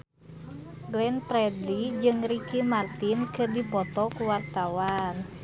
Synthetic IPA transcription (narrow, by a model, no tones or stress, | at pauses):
ɡlɛnpɾɛdlid͡ʒɨŋɾikimart̪inkɨrdipɔt̪ɔkuwart̪awan